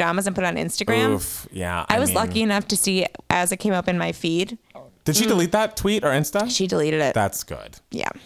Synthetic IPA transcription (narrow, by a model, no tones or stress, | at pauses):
d̥ɑməz̃n̩pʰʊɾɨɾn̩ɪ̰̃nstɨɡɹæ̃mfjæ̰ʔaɪwʌzlʌkiɨnʌftʰɨsiʔɨzɨt̚kʰẽɪ̃mʌpɨ̃nmaɪfid̥d̥ɨd̥ʃidɨlit̪̚ðɨtʰw̥iɾə˞ɪ̃nstəʃidəliɾɨɾɪ̰tðæ̰tsɡ̥ʊ̰d̥jæ̰